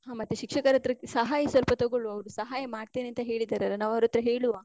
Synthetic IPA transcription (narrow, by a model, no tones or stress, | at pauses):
ɦaːmɐt̪ːuʃikʂɐkɐɾɐt̪ːɾɐsɐɦaːjɐsʋɐlpɐt̪oɡoɭuɐʋɾusɐɦaːjɐmaːɖt̪eːneɐnt̪ɐɦe̞ːɭid̪ːaːɾɐlɐnaːʋɐʋɾot̪ɾɐɦeːɭuʋaː